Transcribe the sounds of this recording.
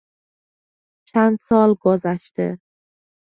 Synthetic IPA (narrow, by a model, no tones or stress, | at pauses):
t͡ʃʰænd̪sɒːlɡozæʃt̪ḛ